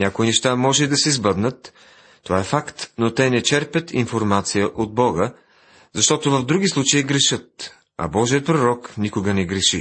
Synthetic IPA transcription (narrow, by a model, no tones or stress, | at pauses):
nʲakoinɛʃt̪amɔʒɛid̪ɐsɛzbəd̪nət̪ː | ovaɛfakt̪not̪ɛnɛt͡ʃɛɾpət̪ʰinfoɾmat̪sijəʔod̪̚bɔɡə | zɐʃt̪ɔt̪ovəvd̪ɾuɡ̟islˠut͡ʃəiɡɾɛʃɤt̪̚ | ɐ̰bɔʒiət̪̚pɾoɾɔknikʊɡənɛɡɾɛʃi